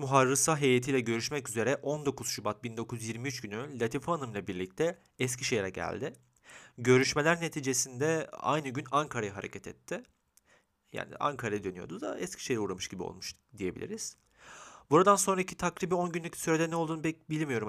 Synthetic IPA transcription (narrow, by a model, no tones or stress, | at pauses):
muɦaɾːɯsaɦe̞jet̪ʰijlʲɛɟø̞ɾyʃmɛcyze̞ɾɛʔo̞nd̪o̞kʰuz̥ʃubat̪̚bind̪o̞kʰuzjiɾmiyt͡ʃɟynylʲat̪ʰifaanɯmlˠabiɾlʲic̚t̪ʰɛ | ɛscʰiʃe̞jɾɛɟæ̰lʲd̪ɪ | ɟø̞ɾyʃme̞lʲæɾne̞t̪ʰiːd͡ʒe̞sind̪ɛa̰jnɯɟynaŋkʰaɾajaɦaɾe̞̰cʰɛt̪ʰɛ̰t̪ʰːɪ | ja̰ːnḭʔa̰ŋkʰaɾajid̪ønyjo̞̰d̪uzd̪a̰ɛscʰʲi̥ʃe̞jɾɛuːɾamɯʃɟibio̞̰lˠmuʃ | d̪ije̞bilʲḭɾiz̥ | buɾad̪anso̞nɾacʰit̪ʰakɾiːbio̞nɟynlʲyclʲi̥syɾeɛnɛolˠd̪uːnbɛbilʲmijo̞ɾum